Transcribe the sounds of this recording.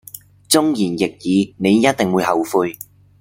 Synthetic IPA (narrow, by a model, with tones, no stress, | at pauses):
t͡sʊ˥ŋjiː˨˩njɪ˨k̚jiː˨˧ne˨˧jːɐ˥t̚t̪ɪ˨˩ŋwuː˨˧jhɐ˨wfuː˧j